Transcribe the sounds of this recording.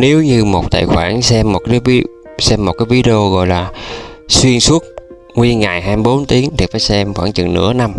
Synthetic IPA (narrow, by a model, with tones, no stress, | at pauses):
ne˨˦wɲɨ˧mo˨˩k͡p̚t̪a̰ː˧˨jxwaː˧˩nsɛ˧mːo˨˩t̚kaː˨˦jv | sɛ˧mːo˨˩t̚kaː˨˦jvi˨˦ɗə˧o˧ɣɔ̰˧˨jlaː˨˩swi˧ənswu˦˥t̚ | ŋwi˧ŋa˨˩jɦaː˧jm˧ɓo˨˦nt̪i˨˦əŋt̪ʰi˨˩faː˧˦jsɛ˧mxwaː˧˩ŋt͡ɕɨ̰˧˨ŋnɨ̰˧˥əna˧m